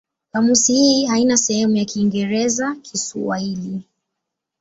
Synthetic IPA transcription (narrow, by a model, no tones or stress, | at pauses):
kamusihiːɦainasɛhɛmujakiːŋɡɛɾɛzakʰisuwa̰hili